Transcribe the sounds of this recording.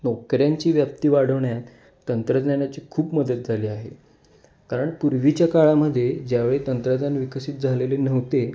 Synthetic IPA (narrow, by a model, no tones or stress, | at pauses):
nɔkɾjaɲt͡ɕiːʋjap̚t̪iːʋaɽ̤əʋɳjat̪ː | ənt̪ɾəd̪njanat͡ɕiːkʰuːpməd̪ət̪̚d͡zʱaliːaɦḛ | kaɾəɳpuɾʋit͡ɕjakaɭaməd̪ʱːjed͡ʑjaʋeɭet̪ənt̪ɾəd̪janʋikəsiːt̪̚d͡zʱalelenəʋt̪e